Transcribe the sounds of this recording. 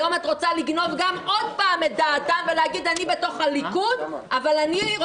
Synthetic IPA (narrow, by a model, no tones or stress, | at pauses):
omatʁo̞t͡saliɡno̞vɡamod̚paːmet̚d̪aːtamveleaɡid̪anibeto̞χalikudavalanio